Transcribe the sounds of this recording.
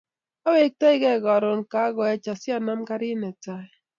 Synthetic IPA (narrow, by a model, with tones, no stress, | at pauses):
a˦we˦k̚tɛ˦ɪ˦ɡɛ˦˨ɡɔ˨ɾo˨nka˨˦ɡɔ˨ɛ˦t͡ʃa˨sɪ˦a˦na˦mka˦ɾɪ˦nɛ˨ta˦ɛ˦